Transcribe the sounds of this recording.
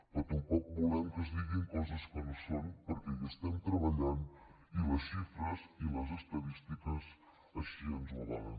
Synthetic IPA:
pət̪əmpɔk̚bulɛmkəzðiɣiŋkɔzəskɔmsompəɾkɛʎəst̪ɛmt̪ɾəβəʎan | iləsʃifɾəziləzəst̪əðist̪ikəz | əʃiənzulanən

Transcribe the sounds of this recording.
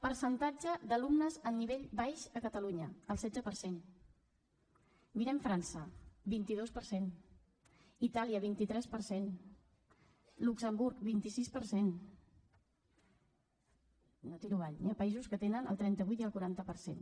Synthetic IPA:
pəɾsənt̪ad͡ʒəd̪əlumnəzəniβ̞eʎbajʃəkət̪əluɲəəlˠsɛdd͡zəpəɾsen | miɾɛɱfɾansəbint̪iðospəɾsen | it̪aliəβ̞int̪it̪ɾɛspəɾsen | luksəmbuɾkbint̪isispəɾsen | not̪iɾuβaʎniapəizuskət̪enənə̰lˠt̪ɾɛnt̪əβ̞ujt̪iəlˠkuɾant̪əpəɾsḛn

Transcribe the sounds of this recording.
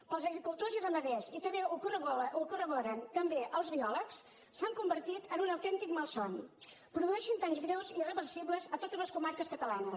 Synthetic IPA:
əlˠzəɣɾikulˠt̪ozirəməðɛzit̪əeukurukurəβɔɾənt̪əmbeʔəlˠzβiɔləks | saŋkumbəɾt̪it̪ənunəwt̪ɛnt̪ikməlˠsɔnpɾuðuɛʃənt̪aɲzɣɾɛwzirəβərsiβləzət̪ot̪əzləskumaɾkəskət̪əlanə

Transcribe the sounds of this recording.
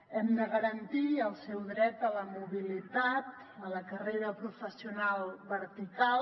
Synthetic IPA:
ɛmd̪əɣəɾənt̪iəlˠsɛwðɾɛt̪ələmuβilit̪at̪ | ələkəreɾəpɾufəsiunalˠβəɾt̪ikal

